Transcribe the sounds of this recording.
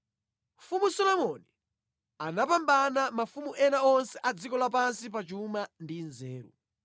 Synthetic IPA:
mfumusɔlɔmɔni | anap̬ambanamafumuʔɛnaɔnsɛʔad͡zikɔlap̬ansip̬at͡ʃumandinzɛːɾṵ

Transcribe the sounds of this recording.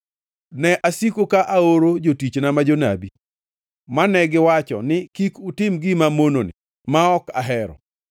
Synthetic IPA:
nɛʔasikokaʔaoɾod͡ʒotit͡ʃnamad͡ʒona̰bi | manɛɡɪwat͡ʃɔ̰nɪkikutɪmɡɪmamononɪ̰ | maɔkaɦɛɾɔ̰

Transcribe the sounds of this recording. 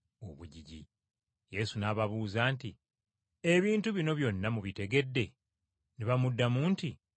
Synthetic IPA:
o̞̰βuɟiɟḭ | je̞sunaːβaβuːzaːnti | e̞βiːntuβino̞βjo̞nːamuβite̞ɡe̞dːe̞ | niβamudːamuːnti

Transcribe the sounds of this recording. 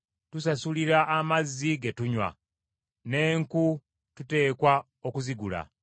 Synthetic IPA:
tus̬asuliɾaʔːmazːiɡetuɲwa̰ | ne̞ːŋku | tute̞ːkwa | o̞kuziɡula̰

